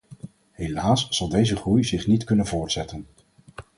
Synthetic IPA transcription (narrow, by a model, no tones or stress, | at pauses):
ɦelaːsːɑlˠdejzəχrujzɪχnitkɵnənvʊːɹtsɛtən